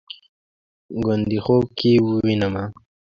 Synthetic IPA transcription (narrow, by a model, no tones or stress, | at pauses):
ɡənd̪ixob̚kʰiwuwinəma